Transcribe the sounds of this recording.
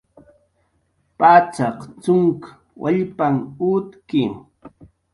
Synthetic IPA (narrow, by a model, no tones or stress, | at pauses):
pat͡sɑqt͡sʊŋk | wʔa̰ʎpaŋʊt̪kɪ